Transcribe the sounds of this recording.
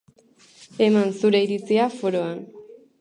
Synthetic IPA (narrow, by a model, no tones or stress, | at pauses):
e̞mansuɾe̞iɾit͡siafo̞ɾo̞an